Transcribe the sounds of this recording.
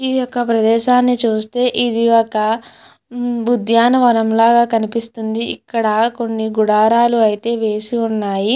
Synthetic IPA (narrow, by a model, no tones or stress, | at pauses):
ijɔkːɐpɾɐd̪ɛːʃaːnːit͡ʃuːst̪e̞ːʔid̪iɔkɐ | bud̪ʱjaːnɐʋɐnɐmlaːɡaːkɐnipist̪und̪iːkːɐɽɐko̞nːiɡuɽaːɾaːluɐjit̪e̞ːʋe̞ːsiunːaːji